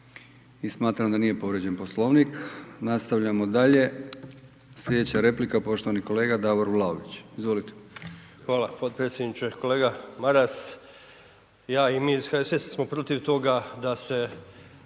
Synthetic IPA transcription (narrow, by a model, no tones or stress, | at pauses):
ismaːt̪ɾamd̪aniːje̞po̞ʋɾed͡ʑe̞npo̞slˠo̞ʋniknast̪aʋʎamo̞d̪aʎe̞ | slʎʲe̞d̪et͡ɕaɾe̞plikapo̞ʃt̪o̞ʋaniko̞le̞ːɡad̪aːʋoɾʋlˠaoʋit͡ɕizʋo̞lit̪e̥xʋaːlapod̪̚pɾet̪sjed̪nit͡ʃekoleːɡamaɾas | jaːimiːsxaesessmopɾot̪iʋt̪o̞ɡad̪ase